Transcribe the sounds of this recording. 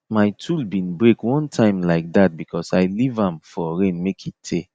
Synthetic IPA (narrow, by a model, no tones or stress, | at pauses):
majtʰulbĩnbɹekwɔ̃ntʰãɪ̃mlaɪk̚dat̚bikʰɔsaɪlivãmfɔɹẽnmekʰitʰe